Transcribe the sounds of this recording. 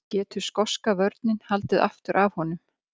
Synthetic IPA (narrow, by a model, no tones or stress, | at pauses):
cɛːt̪ʏ̥skɔskavœɾt̪nɪnhalt̪ɪðʔa̰ft̪ʏɾʔavhɔnʏm